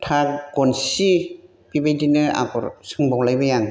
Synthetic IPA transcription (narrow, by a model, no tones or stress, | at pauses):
tʰakɡɔnsi | pibejdinɯa̰kɔ̰ɾsɯŋbɔwlajbɯjaŋ